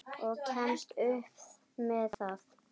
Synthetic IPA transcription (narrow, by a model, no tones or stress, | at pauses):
ɔɣcʰɛnst̪ʏhp | mɛθaθ